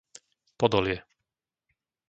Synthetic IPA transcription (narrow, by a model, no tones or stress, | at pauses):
pɔd̪ɔlɪɛ